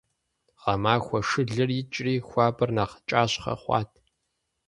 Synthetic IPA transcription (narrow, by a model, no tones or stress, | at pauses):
ʁɐmaːxʷɔʂɨɮɨrit͡ʃʼriːxʷɑːbɨrnaːqə̥t͡ʃʼaːɕχɐ̰χʷɑ̰ːtʰ